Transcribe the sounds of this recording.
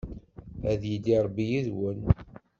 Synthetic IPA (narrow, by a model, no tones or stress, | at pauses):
æðjəd̪iɾˤbːijiðwən